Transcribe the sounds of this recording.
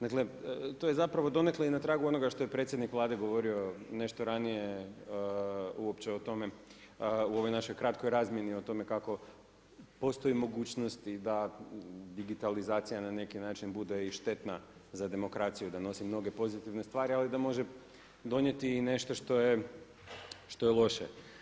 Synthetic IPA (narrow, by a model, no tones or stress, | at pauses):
d̪akle̞t̪o̞jezapɾaʋo̞d̪o̞ne̞kloinat̪ɾaːɡuo̞no̞ɡaʃt̪ojepɾe̞t̪sʲjed̪nikʋlˠaːd̪e̞ɡo̞ʋo̞ɾio̞ne̞ʃt̪oɾanije̞ | uopt͡ɕeo̞t̪o̞me̞ | uo̞ʋo̞jnaʃo̞jkɾat̪ko̞jɾaːzmje̞nio̞t̪o̞me̞kako̞ | po̞st̪o̞jimo̞ɡuːt͡ɕnost̪id̪a | d̪iɡit̪alizaːt̪sijanane̞kinaːt͡ʃinbud̪eiʃt̪e̞t̪nazad̪e̞mo̞kɾat̪sijud̪ano̞simno̞ɡe̞po̞zit̪iʋne̞st̪ʋaːɾialid̪amo̞ʒe | d̪o̞nje̞t̪iːne̞ʃt̪o̞ʃt̪o̞je | ʃt̪o̞jelˠo̞ʃḛ